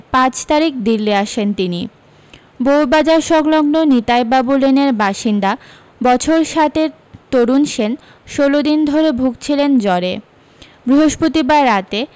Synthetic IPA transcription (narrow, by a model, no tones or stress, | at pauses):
pãt͡ɕt̪aɾik̚d̪iɾliaʃent̪ini | bowbad͡ʑaɾʃɔɡlɔɡnonit̪ajbabuleneɾbaʃind̪a | bɔt͡ɕʰoɾʃat̪eɾ | t̪oɾunʃen | ʃolod̪ind̪ʱoɾebʱuɡ̚t͡ɕʰilend͡ʑɔɾe | bɾiɦoʃpot̪ibaɾat̪e